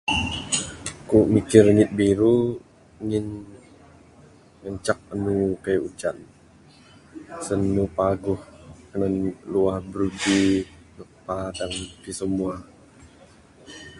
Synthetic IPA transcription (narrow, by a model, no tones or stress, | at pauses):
kumikɪrŋɪt̪̚biɾu | ŋɪn | ŋənt͡ʃak̚ənukajut͡ʃa̰n | sənːupaɡʊhkənənluahbəɾudi | nuk̚padaŋt̪isəmua